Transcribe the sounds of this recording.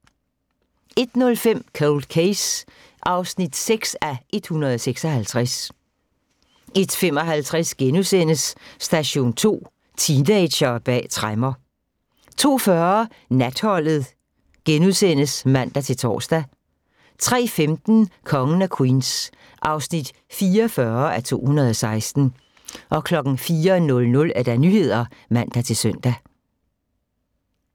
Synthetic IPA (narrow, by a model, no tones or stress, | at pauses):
e̝d̥nɔ̽lfem̰kʰoʊld̥̚kʰeɪs | ʔɑ̈ʊsnid̥seɡ̥sæʔe̝d̥hunɐð̩ˠɒseɡ̥sɒ̽hælt͡sʰʁas | e̝d̥fem̰ɒ̽ɦælt͡sʰʁasɡ̥enuðˠsen̰əsːd̥æɕo̝̰ːnt͡sʰo̝̰ː | t͡sʰind̥e̥ɕɒb̥ɛ̰ːt͡sʰʁamɐ | t͡sʰo̝̰ːfɶɐ | næd̥hɒ̽l̰ð̞̩ˠ | ɡ̥enuðˠsen̰əsmæn̰d̥æt͡sʰe̝lt͡sʰɒ̰ːsd̥æ | t͡sʰʁɛ̰ːfemd̥n̩kʰɒ̽ŋən̩ækʰwins | ʔɑ̈ʊsnid̥ | fiːɐfɶːɐæt͡sʰo̝̰ːhunɐð̩ˠɒ̽sɑ̈ɪsd̥n̩ | ʔɒ̽kʰlɒ̽ɡ̥n̩fiːɐnɔ̽lnɔ̽læd̥ænyhe̝ð̞̰ˠɐmæn̰d̥æt͡sʰe̝lsœn̰d̥æ